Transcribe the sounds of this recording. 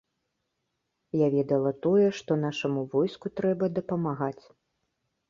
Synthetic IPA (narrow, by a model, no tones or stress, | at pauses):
javʲɛd̪ɐlˠɐt̪ɔjɛʂt̪ɔn̪aʂɐmuvɔjskut̪ɾɛbɐd̪ɐpɐmaɣat͡sʲ